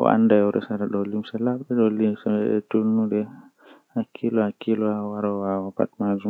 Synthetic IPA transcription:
ʔɔ̰ʔa̰ndajɔɾɛ̰saɾaɗɔlimsalabɗɛɗɔlimsaɛ̰tunuɗɛ | hakʰilɔakilɔawaɾawawapa̰t̚mazu

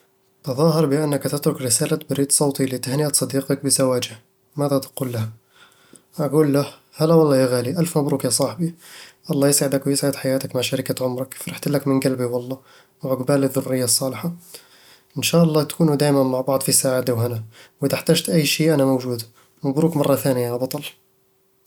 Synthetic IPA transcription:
t̪ɑðˤɑːɦɑɾˤbɪʔanːakt̪ɪt̪ɾʊkɾɪsaːlabɾiːd̪sˤɑwt̪ˤilit̪ahnɪʔat̪sˤɑd̪iːqɑk̚bɪzawaːd͡ʒɪh | maðat̪quːlːah | ʔaɡuːlːah | halawɑlˤːɑːjaɣaːliʔalfmʊbɾukjasˤɑːħbiʔɑlˤːɑjəsʕɪd̪akwjəsʕəd̪ħajaːt̪akmaʕʃaɾikaʕʊmɾɑkfɾˤɑħt̪lːakmənɡælbiwɑlˤːɑ | wʕʊɡbaːləðːʊɾːɪjːasˤːɑːlħa | ʔənʃaːʔɑlˤːɑt̪kuːnud̪æːjmænmaʕbɑʕd̪ˤfisaʕaːtd̪iwhanawit̪aħt̪æʒt̪ʔæjːʃiːʔænamowʒuːd̪ | mʊbɾukmɑrˤːɑθæːnjabɑt̪ˤɑl

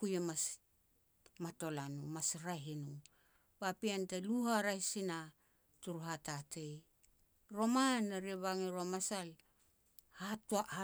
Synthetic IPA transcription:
kujemas | mato̞lanumasɾaɦinu | bapiantaluhaɾaisina | tuɾuɦatatej | ɾo̞manaɾeβaŋiɾomasal | hatua

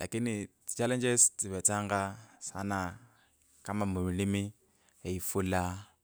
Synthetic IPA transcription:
lʔa̰kini̥ | t͡ʃalɛnd͡ʒɛstiβɛtaŋɡasa̰na | kamamuulimi | jaifula

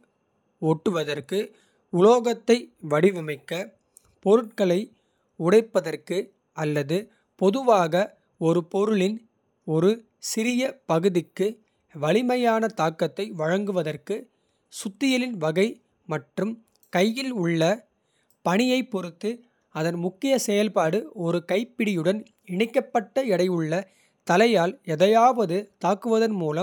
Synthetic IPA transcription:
oːʈːɯʋɐðɐrkɯ | ʊɭoːɣɐt̪ːɐɪʋɐɽɪʋɪmɐɪkːɐ | pɔɾɯʈ̚kɐɭɐɪ | ʊɽɐɪpːɐðɐrkɯ | ɐlːɐðɯ | pɔðɯʋaːɣɐ | ɔɾɯpɔɾɯɭɪn | ɔɾɯ | sɪɾɪjɐpɐɣɯðɪkːɯ | ʋɐɭɪmɐjaːnɐt̪aːkːɐt̪ːɐɪʋɐɻɐŋɡɯʋɐðɐrkɯ | sʊt̪ːɪjɐlɪnʋɐɣɐɪ | mɐʈrɯm | kɐjːɪlʊɭːɐ | pɐɳɪjɐɪpːɔɾɯt̪ːɯ | ɐðɐnmʊkːɪjɐsɛjɐlpaːɽɯɔɾɯkɐɪpːɪɽɪjɯɽɐn | ɪɳɪkːɐpːɐʈːɐɛɽɐɪɯɭːɐ | t̪ɐlɐjaːlɛðɐjaːʋɐðɯt̪aːkːɯʋɐðɐnmuːlɐm

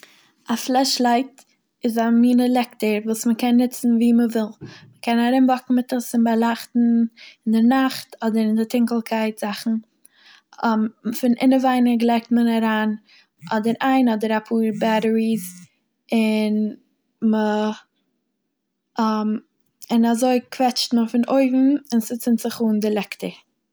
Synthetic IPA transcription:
aflˠɛʃlˠaɪt | ɪzamiːnəlˠɛktəɾvuːsməkʰɛnːɪt͡sn̩viːməvɪlˠməkʰɛnaɾɪmbɔkn̩mɪtəsɪnbalˠaχtn̩ɪndɪnaχtʰɔdəɾɪndɪtɪŋkl̩ˠkʰaɪtz̥aχn̩ | mfɪnʔɪnəvaɪnəɡlˠɛɪk̚tmənaɾaːn | ʔɔdəɾaɪnɔdəɾapʰuːɾbaɾəɾiz | ɪn | mə | m | ɪnazoɪkvɛt͡ʃtməfɪnoɪvm̩ɪnsɪt͡sɪntz̥ɪχuːndɪlˠɛktə

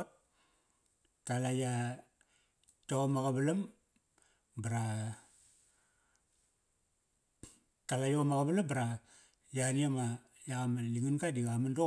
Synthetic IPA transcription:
talaja | tomaɡabalam | baɾa | talajomaɡabalambaɾa | janiama | jakamanliŋanɡadiamando

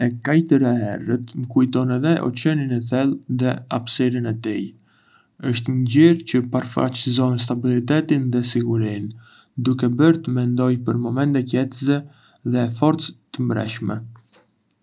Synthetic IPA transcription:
ɛkajt̪əɾaɦɛ̰rət̪məkujt̪ɔnɛðɛʔɔ̰t͡ɕɛninɛθɛlˠðɛapsɛɾinɛt̪ij | əʃt̪ɲɟiɾcəpaɾfa̰t͡ɕzɔns̬t̪abilit̪ɛt̪inðɛsiɡuɾin | d̪ukɛbəɾt̪əmɛnd̪ɔjpəɾmɔmɛnt̪ɛkɛt̪əzɛ | ðɛfɔɾt͡st̪ːəmbɾɛ̰ʃmɛ̰

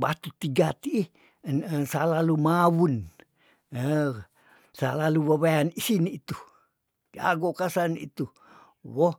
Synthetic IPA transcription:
bat̪ut̪iɡat̪iː | nəsalalumawun | ə | sa̰laluwaβaanisinit̪u | a̰ɡokasanḭt̪u | wo

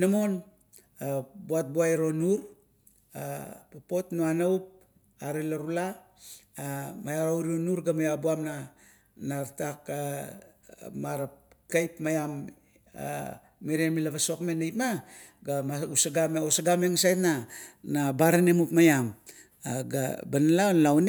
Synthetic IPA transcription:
namo̞n | abuat̚buaeɾo̞nuɾ | apapo̞tnoanaup̚ | aɾelaɾulaː | majaawɾionuɾɡamajabuamna | naɾtaka | maɾap̚kajpmajam | a̰ː | iɾemilaβaso̞kme̞nejpmaɡamausaɡamosaɡameŋasajtnanabaɾanemupmajam | aɡa̰banalaonlawn

